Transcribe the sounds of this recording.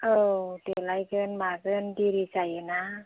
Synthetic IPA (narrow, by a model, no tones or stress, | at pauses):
ʔɤːdelajkɯːnmaːkɯndiɾit͡ɕajana